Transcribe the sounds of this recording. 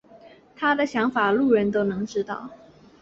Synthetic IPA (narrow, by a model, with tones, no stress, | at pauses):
t̪ʰa˥d̪ə˨ɕjɑ˧˥ŋfa˨˩lu˥˩ɻə˧˥nt̪o˥ʊnɤ˧˥ŋʈ͡ʂɻ̩˥t̪ɑ̰˥˩˨ʊ